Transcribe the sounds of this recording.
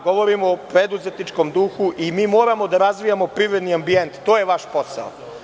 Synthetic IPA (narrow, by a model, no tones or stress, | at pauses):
ɡo̞ʋo̞ɾimoːpɾe̞d̪uze̞t̪nit͡ʃko̞md̪uxuʔimiːmo̞ːɾamo̞d̪aɾazʋijamo̞pɾiʋɾed̪niambie̞nt̪t̪oːjeʋaʃpo̞sa̰o